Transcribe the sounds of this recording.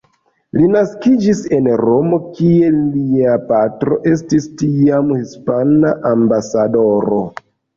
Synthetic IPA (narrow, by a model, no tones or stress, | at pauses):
linaskid͡ʒise̞nɾo̞mo̞kie̞liapatɾo̞̰ʔe̞s̬tistiamhispanaʔambasado̞ɾo